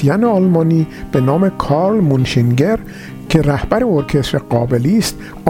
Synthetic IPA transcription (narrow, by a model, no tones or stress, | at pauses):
ijæneɒlmɒːniːb̥e̞nɒːme̞kʰɒːɾlmunʃiŋɟe̞ɾ | cʰe̞ɾæhbæɾeoɾkʰe̞st̪ɾeɢɒːbeliːst̪